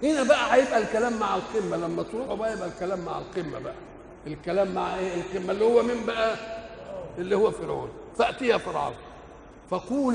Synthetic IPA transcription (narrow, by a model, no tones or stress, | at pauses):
ʔenæbæʔæħajebʔælkælæːmːaʕalqimːælæmːæt̪ɾuːħubæʔæjebʔælkælæːmːaʕa̰lqimːæ̰bæʔæ | elkælæːmːaʕʔeːelqimːælːihʊwːæmimbæʔæ | elːihʊwːæfiɾo̰ːlfæʔt̪ijæfɑɾˤʕɑ̰w | fæquːl